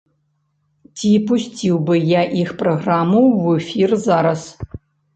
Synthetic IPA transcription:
tʲʰipusʲtʰʲiwbɨjaʔixproɣramuwɛfʲirzaɾɐs

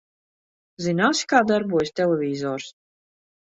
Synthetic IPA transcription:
zinaːsi̥kaːd̪aɾbuɔjsʲt̪ʲɛlʲɛvʲiːzɔːɾs

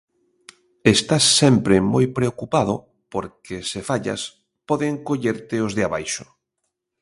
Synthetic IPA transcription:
est̪asːɛmpɾɪmojpɾeokupaðʊ | poɾkesefaʎa̰s | pɔðɪŋkoʎeɾt̪ɪozðeaβajʃʊ̥

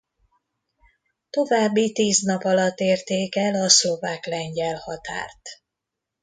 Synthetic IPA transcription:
t̪o̞vaːbːit̪iːznɒpɒlɒt̪ːeːrt̪ːeːkɛlɒslo̞vaːklɛɲɟɛlhɒt̪a̰ːrt̪

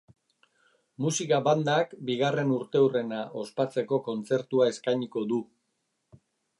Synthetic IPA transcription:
musikaβand̪akbiɣare̞nuɾt̪e̞wre̞naʔo̞spat͡se̞ko̞ko̞nt͡se̞ɾt̪uae̞skajɲiko̞ðu

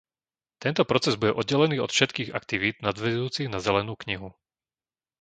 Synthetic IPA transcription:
t̪ɛnt̪ɔpɾɔt͡sɛzbuɟɛʔɔd̪̚ɟːɛlɛniːɔ̰t̪fʃɛt̪kiːɣa̰kt̪iʋiːd̪nad̪ʋɛzuːt͡siɣnazɛlɛnuːkɲiɦu

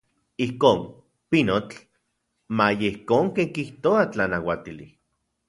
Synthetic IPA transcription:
ihkoːn | pinot͡ɬ | majeihkoːŋkeŋkiht̪oat͡ɬanawat̪ili

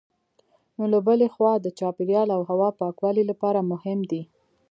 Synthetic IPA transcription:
nolabəlexwɑd̪ət͡ʃɑpeɾjɑlawɦawɑpɑkwɑlilapɑɾamʊhɪmd̪i

